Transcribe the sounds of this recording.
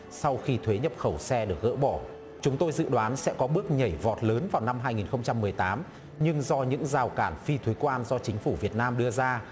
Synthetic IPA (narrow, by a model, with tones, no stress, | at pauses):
sa˧wxi˧t̪ʰwe˨˦ɲə˨˩p̚xə˧˩wsɛ˧ɗɨ˨˩ək̚ɣə̰ː˧˥ɓɔ˧˩ | t͡ɕʊ˨˦ŋ͡mt̪o˧jzɨ̰˧˨ɗwaː˨˦nsɛ̰˧˥kɔ˨˦ɓɨ˦˥ək̚ɲə˧˩jvɔ˨˩t̚ləː˨˦nvaː˨˩wna˧mɦaː˧jŋi˨˩nxə˧ŋ͡mt͡ɕa˧mːɨ˨˩əjt̪aː˨˦m | ɲɨ˧ŋzɔ˧ɲɨ̰˧˥ŋzaː˨˩wkaː˧˩nfi˧t̪ʰwe˨˦kwaː˧nzɔ˧t͡ɕï˨˦ŋ̟fu˧˩vi˨˩ət̚naː˧mɗɨ˧əzaː˧